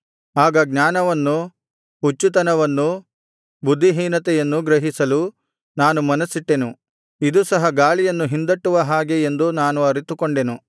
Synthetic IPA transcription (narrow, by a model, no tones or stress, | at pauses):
aːɡɐɡɲaːnɐʋɐnːu | ut͡ʃːut̪ɐnɐʋɐnːu | bud̪ʱːiɦiːnɐt̪ɛjɐnːuɡɾɐɦisɐlu | naːnumɐnɐsiʈːe̞nu | id̪usɐɦɐɡaːɭijɐnːuɦind̪ɐʈːuʋɐɦaːɡeend̪unaːnuɐɾit̪ukoɳɖe̞nu